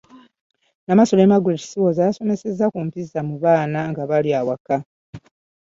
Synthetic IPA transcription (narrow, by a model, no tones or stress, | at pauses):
namaso̞lemaɡuɾeti̥siwozajaso̞me̞se̞zːakumpizːamuβaːnaŋɡaβaljaːwaka